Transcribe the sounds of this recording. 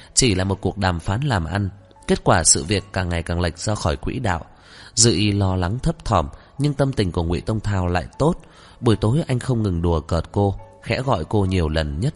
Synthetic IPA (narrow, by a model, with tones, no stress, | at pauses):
t͡ɕi˧˩laː˨˩mo˨˩t̚ku˨˩ək̚ɗaː˨˩mfaː˨˦nlaː˨˩mʔa˧ŋ | ke˦˥t̚kwaː˧˩sɨ̰˧˨vi˨˩əkːaː˨˩ŋːa˨˩jkaː˨˩ŋla˨˩jk̟̚z̥ɔ˧xɔ˧˩jkwḭ˧˥ɗa̰ː˧˨w | zɨ̰˧˨ʔi˨˦lɔ˧la˨˦ŋt̪ʰə˦˥p̚t̪ʰɔ˧˩m | ɲɨ˧ŋt̪ə˧mt̪ï˨˩ŋ̟ku˧˩əŋwḭ˧˨t̪ə˧wŋ͡mt̪ʰaː˧wla̰ː˧˨jt̪o˦˥t̚ | ɓu˧˩əjt̪o˨˦jʔa˧jŋ̟xə˧wŋ͡mŋɨ˨˩ŋɗu˨˩əkəː˨˩t̚ko˧ | xɛ̰˧˥ɣɔ̰˧˨jko˧ɲi˨˩əwlə˨˩nɲə˦˥t̚